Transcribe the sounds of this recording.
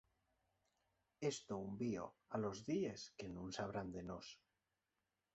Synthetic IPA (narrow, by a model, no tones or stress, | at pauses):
est̪oumbio̰alozðie̞skenũnsaβ̞ɾand̪enos